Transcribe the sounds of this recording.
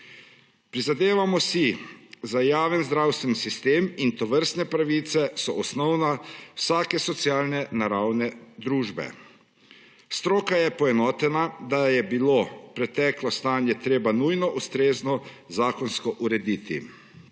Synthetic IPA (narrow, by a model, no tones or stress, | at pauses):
pɾizad̪eːʋamɔsizajaːʋənzd̪ɾawst̪ʋɛnsist̪eːmint̪ɔʋəɾst̪nɛpɾaʋit̪sɛsɔʔɔsnɔwnawsaːkɛsɔt̪sjaːlnɛnaɾawnɛd̪ɾuːʒbɛ̰ | st̪ɾɔːkajɛpɔɛnɔːt̪ɛnad̪ajɛbilopɾɛt̪ɛːklɔst̪anjɛt̪ɾeːbanujnɔʔust̪ɾeːznɔ | zaːkɔnskɔʔuɾɛd̪iːt̪ḭ